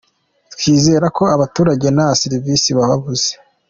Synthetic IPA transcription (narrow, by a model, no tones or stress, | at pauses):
tkʰiːze̞ːɾako̞aβatuːɾaɟe̞naβasiɾivisiβaβaβuze